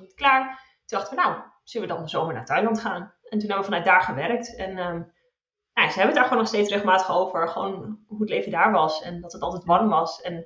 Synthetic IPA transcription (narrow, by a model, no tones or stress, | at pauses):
tklaːɹ | tundɑχtəʋənaw | z̥ələʋədɑnzowməɹna̰ːɹtœjlɑntχaːnɛntunɦɛbəʋəfɑnœt̚daːɹχəʋɛrk̚tɛnə | nojazəɦɛbənədaːɹχʋoːnɔχstejtsrɪχlˠmaːtəχowvəɹχəʋo̰wnɦuətlejvəndaːɹʋɑsɛndɑtətɑlˠtɛjtʋɑɹəmʋɑsɛn